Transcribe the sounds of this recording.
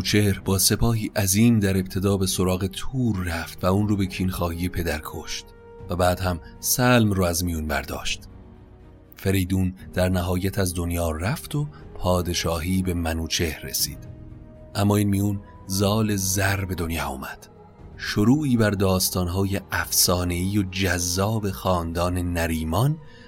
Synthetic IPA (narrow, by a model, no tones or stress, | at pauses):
ut͡ʃʰeɾbɒːse̞pʰɒːɦiːʔæziːmd̪æɾe̞b̚t̪ʰe̞d̪ɒːbe̞soɾɒːɣe̞t̪ʰuːɾːæft̪væuːnroːbe̞cʰiːnxɒːhiːje̞pʰe̞d̪æɾkʰoʃt̪ | væbæːd̪̥hæmsælmrɔːæzmijuːnbæ̰ɾd̪ɒ̰ːʃt̪ | feɾejd̪uːnd̪̥æɾnæɦɒːjæt̪ʰæzd̪onjɒːræft̪o̞pʰɒːd̪e̞ʃɒːɦiːbe̞mænuːt͡ʃʰe̞hre̞̰sḭːd̪̥ | ʔæmːɒːiːnmijun | zɒːle̞zæɾbe̞d̪onjɒːṵːmæd̪̥ | ʃoɾuːiːbæɾd̪ɒːst̪ɒːnɦɒːjeʔæfsɒːne̞iːjod͡ʒæzːɒːbe̞xɒːnd̪ɒːne̞næɾiːmɒn